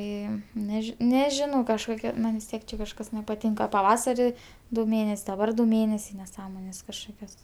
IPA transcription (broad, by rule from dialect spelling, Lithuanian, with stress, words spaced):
ˈeːjoːm nʲɛˈʒʲɪ nʲɛˈʒʲɪnɐʊ kɐʃˈkoːkʲɛ ˈmɐnʲ ʋʲɪs ˈtʲiɛk t͡ʃʲɛ kɐʃˈkɐs nʲɛpɐˈtʲɪŋkɐ pɐˈʋɑːsɐrʲɪ dʊ ˈmʲeːnʲɛsʲ dɐˈbɐr dʊ ˈmʲeːnʲɛsʲɛɪ nʲɛˈsɑːmoːnʲeːs kɐʃˈkoːkʲoːs